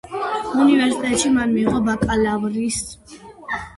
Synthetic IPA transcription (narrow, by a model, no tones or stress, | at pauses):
univɛɾsit̪ʼɛt̪ʼʃimanmiːʁɔbakʼalavɾis